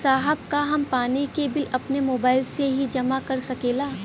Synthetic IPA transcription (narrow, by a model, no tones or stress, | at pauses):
saːɦəbkaɦɐmpaːnikebɪlɐpnemoːbaːɪlseɦid͡ʒɐmakɐɾsɐkeːlaː